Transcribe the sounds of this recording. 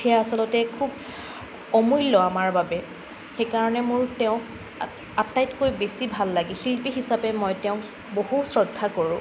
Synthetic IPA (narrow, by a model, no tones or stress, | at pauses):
ɛjaasɔlɔtɛkʰub | ɔmujlːɔamaɹbabɛ | xejkaɹɔnɛmʊɹtɛʊ̃ | atːajtkojbesibʱalːaɡixilpiɦisapɛmɔjtɛʊ̃ | boɦusɹɔdʱakoɹʊ̃